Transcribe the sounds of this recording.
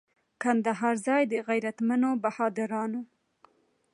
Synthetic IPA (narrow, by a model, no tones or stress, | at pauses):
kand̪aɦɑɾzɑjd̪əɣajɾat̪manobahɑd̪aɾɑno